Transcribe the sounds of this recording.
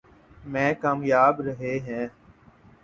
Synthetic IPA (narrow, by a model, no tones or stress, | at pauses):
mɛ̃ːkaːmjaːbɾəɦeːɦɛ̃ː